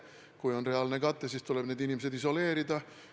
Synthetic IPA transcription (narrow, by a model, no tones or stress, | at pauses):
kujo̞nre̞ɑlnekɑt̪ːˑesiːst̪uleb̥ne̞ːd̪inimesed̪iso̞le̞ːɾid̪ɑ